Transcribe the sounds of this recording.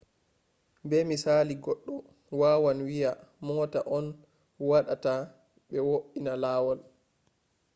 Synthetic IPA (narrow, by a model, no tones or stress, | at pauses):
bɛmisaːliɡɔɗːɔ | waːwanwijamɔːtaʔɔn | waɗata | ɓɛwoʔinalaːwɔl